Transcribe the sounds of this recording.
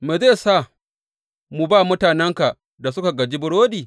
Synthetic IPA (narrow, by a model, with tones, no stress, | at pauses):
me˨ze˦˨sa˦˨ | mu˨baː˦˨mʊ˦taː˨nɛ˦ŋka˨ | da˨sʊ˦ka˨ɡɐ˨d͡ʒi˦bʊ˨ɽoː˦diː˨